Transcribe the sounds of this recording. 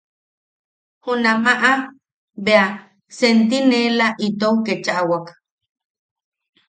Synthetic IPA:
hunamaʔa | bea | sent̪inelaʔit̪owket͡ʃaʔawak

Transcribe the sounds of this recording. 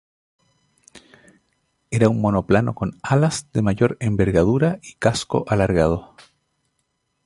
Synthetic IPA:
eɾaunmo̞no̞plano̞̰ko̞nalasd̪emaʝo̞ɾe̞mbe̞ɾɣað̞uɾaikasko̞̰ʔalaɾɣað̞o̞

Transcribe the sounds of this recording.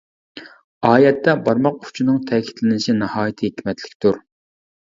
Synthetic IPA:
ɑːjɛt̪ːɛbɑɾmɑq̚u̥t͡ʃʰinɨŋt̪ʰɛkʲʰi̥t̪lɪnɪʃinɨhɑːjit̪ʰɨɦekʲmɛt̪ʰlɪ̥kʲt̪uɾ

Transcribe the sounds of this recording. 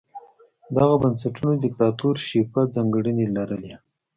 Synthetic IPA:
d̪aɣabəns̬aʈunod̪ɪkt̪ɑt̪uɾʃipad͡zɑŋɡɽənelaɾəle

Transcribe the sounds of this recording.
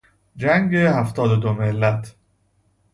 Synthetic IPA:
d͡ʒæŋɡehæft̪ɒːd̪od̪omelːæt̪ʰ

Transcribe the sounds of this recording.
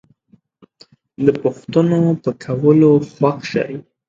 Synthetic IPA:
d̪əpʊxt̪ənopəkʰawəloxwakʃa̰j

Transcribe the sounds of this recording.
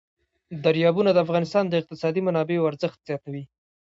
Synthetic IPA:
d̪aɾjɑbunad̪əafɣɑnɪst̪ɑnd̪əɪq̚t̪ɪsɑd̪imanɑbeoaɾzəxt̪z̥jɑt̪awi

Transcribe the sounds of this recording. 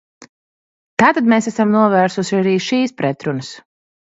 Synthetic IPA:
t̪aːt̪ad̪meːsæsamnuɔvæːɾsuʃiaɾiːʃiːspɾɛt̪ɾunəs

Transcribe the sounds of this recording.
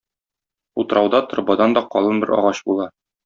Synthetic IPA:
ut̪ɤ̆ɾʔɑwd̪ɑt̪ŏɾbɑd̪ɑnd̪ɒqɒlˠɤnbɘɾɒ̰ʁɑɕbulˠɑ

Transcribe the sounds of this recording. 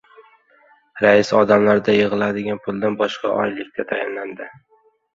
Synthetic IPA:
ɾaɪsɒd̪amlaɾd̪ajɨʁɨlad̪ɪɡʲanpʰʊlˠd̪anbɒʃqʰɑ̰ʔɒ̰jlɪkʲt̪ʰat̪ʰajanland̪ɪ

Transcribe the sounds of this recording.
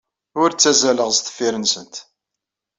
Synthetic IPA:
ʊɾt͡sːæzæləʁst̪ə̥fːiɾənsənt̪

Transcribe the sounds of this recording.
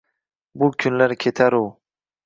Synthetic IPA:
bʊkʲʰʊnlaɾkʲʰet̪ʰaɾuw

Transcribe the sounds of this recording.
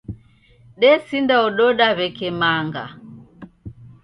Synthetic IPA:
ɗɛsindaɔɗɔɗaβɛkɛmaŋɡa̰

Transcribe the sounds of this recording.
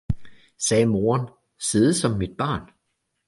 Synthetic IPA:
sɛːmo̝ːɐn | se̝ːð̞̩ˠsɒ̽mːid̥̚b̥ɑ̈ːn

